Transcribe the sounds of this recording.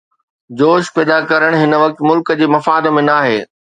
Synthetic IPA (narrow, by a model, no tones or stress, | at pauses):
d͡ʑoːʃpɛːd̪akɐɾəɽ̃ɦɪnəʋɐk̚t̪mʊlkd͡ʑeːmɐfaːd̪mẽnaːɦḛː